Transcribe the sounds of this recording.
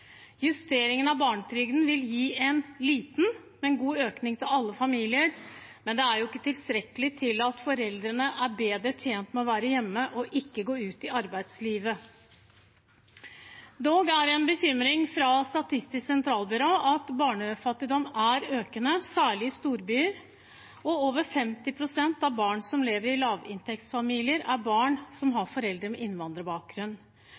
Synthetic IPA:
jʉst̪eːɾɪŋənɑʋbɑːɳət̪ʰɾʏɡnʋɪljiːʔɛnliːt̪n̩ | mɛnɡuːøːknɪŋt̪ʰɪlɑlːəfɑmiːlɪəɾmɛnd̪ɛæɾjʊɪkːət̪ʰɪlst̪ɾɛkəlɪt̪ʰɪlɑt̪fɔɾɛld̪ɾənəʔæɾbeːd̪ɾət̪ʰjeːnt̪mɛɔʋæːɾəjɛmːəʔɔʔɪkːəɡoːʉːt̪ɪɑɾbæɪd̪sliːʋə | d̪oːɡæɾɛnbəçʏmɾɪŋfɾɑst̪ɑt̪ʰɪst̪ɪsksɛnt̪ʰɾɑːlˠbʏɾoːɑt̪bɑːɳəfɑt̪ːɪd̪ɔmæɾøːkənəsæːɭɪɪst̪uːɾbyːɾ | ɔoːʋəɾfɛmt̪ɪpʰɾʊsɛnt̪ɑʋbɑːɳsɔmleːʋəɾɪlɑːʋɪ̰nt̪ʰɛk̚t̪sfɑmiːlɪəɾæɾbɑːɳsɔmɦɑɾfɔɾɛld̪ɾəmɛʔɪnʋɑnd̪ɾəbɑːk̚ɡɾʉnː

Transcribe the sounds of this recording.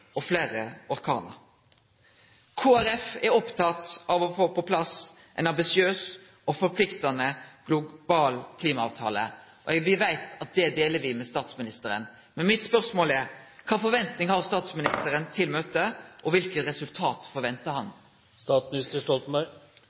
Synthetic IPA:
ɔfleːɾəɔɾkʰɑ̰ːnə̰ɾ | kʰoːæɾɛfɛɾɔpt̪ʰɑt̪ɑʋɔfoːpɔpʰlɑs | ʔɛɪnɑmbɪsɪøːs | ɔfɔɾpʰlɪkt̪ɑnəɡ̥lʊb̥ɑːlkʰliːmɑɑːʋt̪ʰɑ̰ːlə̰ | ɔʋɪʋæɪt̪ɑt̪̚d̪ɛd̪eːləɾʋɪmɛst̪ɑːt̪smɪnɪst̪əɾə̰n | mɛnmɪt̪spœɾsmoːlɛɾkʰɑːfɔɾʋɛnt̪nɪŋhɑʁst̪ɑːt̪smɪnɪst̪əɾənt̪ʰɪlmøːt̪əʔɔʋɪlkət̪ɾɛsʉlt̪ʰɑːt̪fɔɾʋɛnt̪əhɑn | st̪ɑːt̪smɪnɪst̪əʂʈɔlt̪mɑ

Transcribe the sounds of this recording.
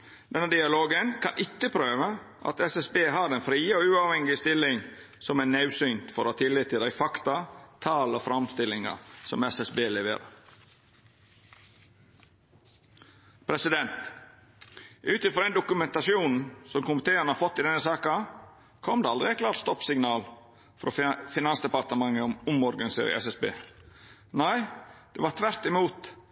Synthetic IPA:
d̪̥ɛnːəd̪ɪɑloːɡənkʰɑ̰nʔɪkːəpʰɾøːʋə | ʔɑ̰t̪ɛsɛsbeːɦɑɾɛnfɾiːoʉːɑʋhɛŋɪəst̪ɪlːɪŋ | sɔmɛnːɑʉsynt̪fɔɾhɑːt̪ʰɪlːɪt̪ʰːɪld̪æɪfɑkt̪ɑt̪ʰɑːlofɾɑmst̪ɪlːɪŋɑ̰sɔ̰mɛsɛsbeːlɛʋḛːɾə̰ɾ | pʰɾɛsɪd̪ɛnt̪ | ʔʉːt̪ɪfɾɔd̪ɛɪnd̪ʊkʉmɛnt̪ɑsɪuːnn̩sɔmkʊmɪt̪ʰeːənəhɑɾfɔt̪ːɪd̪ɛnːəsɑːkɑ | kʰɔmd̪ɛɑld̪ɾɪæɪt̪klɑːɾʈ̪st̪ɔpsɪŋnɑːl | fɔɾʔɔfɪnɑnsd̪ɛpɑɾt̪əmɑŋːəʊmʊmɔɾɡɑnɪsḛːɾə̰ɛ̰sɛsbḛː | næɪd̪̥ɛːʋɑt̪ʰʋæɾt̪ɪmuːt̪

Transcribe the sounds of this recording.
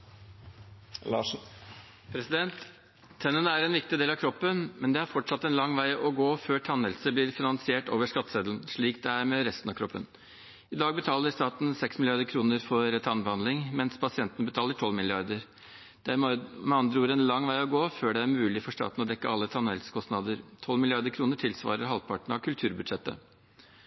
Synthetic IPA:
lɑ | pʰɾɛsɪd̪ɛnt̪ʰː | ɛnənəæɾɛnʋɪk̚t̪ɪd̪eːlɑʋkʰɾɔpːənmɛnd̪ɛæɾfɔʈʂɑt̪ːɛnlɑŋːʋæɪɔɡoːføːʈʰɑnəlsəblɪːɾfɪnɑnsɪeːʈoːʋəʂkɑt̪ːseːd̪lnʂɭiːkd̪ɛæɾmɛɾɛst̪nɑʋkʰɾɔpːə̰n | ɪd̪ɑːɡ̚bət̪ʰɑːləɾʂt̪ɑːt̪n̩sɛksmɪlɪɑɾd̪əɾkʰɾuːnəɾfɔɾɛt̪ʰɑnbəhɑnɪŋmɛnspʰɑsɪɛnt̪ənəbət̪ʰɑːləʈʰɔlːmɪlɪɑɾd̪əɾ | d̪̥ææmɑnd̪ɾəuːɾəɛnlɑŋːʋæɪɔɡoːføːɖɛæɾmʉːlɪfɔʂt̪ɑ̰ːt̪n̩ɔd̪ɛkːəɑlːət̪ʰɑnɛlsə̥kʰɔst̪nɑd̪əɾt̪ʰɔlmɪlɪɑɾd̪əɾkʰɾuːnəʈʰɪlsʋɑ̰ːɾəɾɦɑlpʰɑʈɳ̩ɑʋkʰʉlt̪ʰʉːɾbʉd̪ʂɛt̪ːə̰

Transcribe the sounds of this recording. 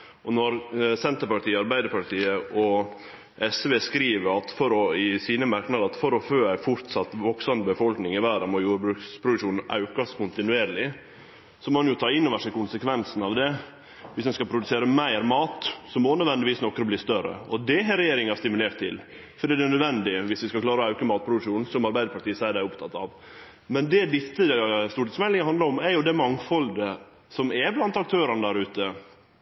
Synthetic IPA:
ɔnɔɾsɛnt̪əɾpɑʈiːəɑɾbæɪd̪əɾpɑʈiːəʔɔ | ʔɛsʋeːskɾiːʋəɾɑt̪fɔɾɔɪsiːnəmɑɾknɑd̪əɾɑt̪fɔɾɔføːæɪfʊɾt̪sɑt̪ːʋɔksɑməbəfɔlknɪŋɪʋæːɾɑmɔjuːɾbɾʉːkspʰɾʊd̪ʉʂuːnn̩ɑ̰ʉkɑskʊnt̪ɪnʉeːɾlɪ | sɔmɔɑnjʊt̪ʰɑːɪnːoːʋəʂɛkʊnsəkʰʋɛnsnɑʋd̪ɛ | ʋɪsd̪ɛnskɑpʰɾʊd̪ʉseːɾəmæɪɾmɑːt̪sɔmɔnœd̪ʋɛnd̪ɪʋiːsnɔkːɾəbliːst̪œɾə̰ɔd̪ɛɦɛɾɛjeːɾɪŋɑst̪ɪmʉleːɾt̪ʰːɪ̰l | fɔɖiːd̪ɛnœd̪ʋɛnd̪ɪʋɪsʋɪskɑklɑːɾɔɑʉkəmɑːt̪̚pʰɾʊd̪ʉkʂuːnn̩sɔmɑɾbæɪd̪əɾpʰɑʈ̪ʰiːsɛæd̪æɪʊpt̪ʰɑt̪ːɑ̰ʋ | mɛnd̪ɛd̪ɪsːəst̪uːʈɪsfmɛlɪŋəhɑnd̪ləɾɔmæɾjʊd̪ɛmɑŋfɔld̪ə | sɔmɛblɑnt̪ɑk̚t̪ʰøːɾənəd̪æɾʉːt̪ə

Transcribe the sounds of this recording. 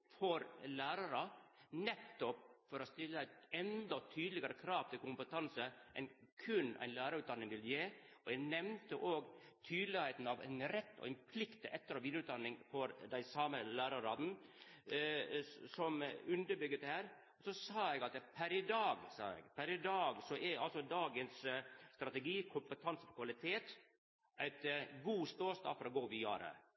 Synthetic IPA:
fɔɾlæːɾɑɾənɛt̪ːɔpfɔɾɔst̪ɪlːəæɪt̪ɛnd̪ɔt̪ʰyːd̪lɪɡɑɾəkʰɾɑːʋt̪ʰɪlkʊmpət̪ʰɑnsəʔɛ̰nkʰʉnæ̰ɪnlæːɾəɾʉːt̪d̪ɑnːɪŋʋɪljeː | ɔjɛɡnɛmnt̪əʔoːɡt̪ʰyːd̪lɪheɪt̪n̩ɑʋæ̰ɪnɾɛt̪ːɔ̰ɪnpʰlɪkt̪əʔɛt̪ːəɾɔʋiːd̪ɾʉːt̪d̪ɑnːɪŋfɔɾd̪æɪsɑːməlæːɾɑɾɑd̪n̩ | sɔmʉnd̪əɾbʏɡːət̪hæːɾ | ɔsɔsɑːɛɡɑt̪pʰæɾɪd̪ɑːɡsɑ̰ːɛ̰ɡpʰæɾɪd̪ɑːɡsɔʔɛɑlsɔd̪ɑːɡənsst̪ɾɑt̪ɛɡiːkʰʊmpət̪ʰɑnsəpɔkʰʋɑlɪt̪ʰeːt̪ | ʔæɪt̪ɡuːst̪oːst̪ɑ̰ːfɔɾɔɡoːʋijɑ̰ːɾə̰

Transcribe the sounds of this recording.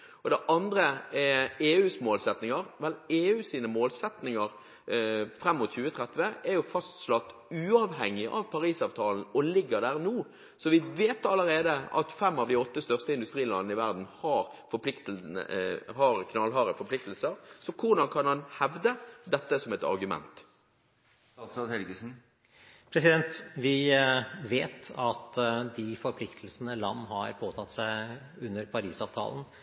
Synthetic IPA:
ɔd̪ɛʔɑnd̪ʁəɛeːʉːsmoːlsɛt̪nɪŋɑʁʋɛleːʉːsiːnəmoːlsɛt̪nɪŋəʁ | fɾɛmːʊt̪çʉːət̪ʰʁɛt̪ʋəɛʁjʊfɑst̪slɑt̪ːʉːɑːʋhɛŋːɪʔɑ̰ʋpʰɑʁiːsɑːʋt̪ʰɑːln̩ɔlɪɡːəʁd̪æːʁnuː | sɔʋɪʋeːt̪ɑlːəʁeːd̪əʔɑ̰t̪fɛmːɑʋd̪ɪɔt̪ːəst̪œʁst̪əɪnd̪ʉst̪ʁiːlɑ̰nːəɪʋæʁd̪n̩hɑʁfɔpʰlɪkt̪ | hɑʁkʰnɑlɦɑːʁəfɔɾpʰlɪk̚t̪əl̩səʁsɔkʰʊʁd̪ɑnkʰɑnhɑnhɛʋd̪əd̪ɛt̪ːəsɔmɛt̪ɑ̰ʁɡʉmɛ̰nt̪ | sɑhɛlɡəsn̩ | pʰɾɛsɪd̪ɛnt̪ʋɪ | ʋeːt̪ʰɑt̪d̪ɪfɔɾpʰlɪkt̪ʰl̩snəlɑ̰nːɦhɑɾpʰoːt̪ʰɑt̪sæɪ | ʉnːəɾpʰɑɾiːsɑːʋt̪ʰɑ̰ːln̩

